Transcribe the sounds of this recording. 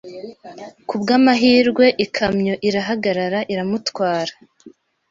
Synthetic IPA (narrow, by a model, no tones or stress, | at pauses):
kubɡaːmaɦiːɾɡwe̞ʔikʰamɲo̞ʔiɾaɦaɡaɾaɾaʔiɾamutwaːɾḁ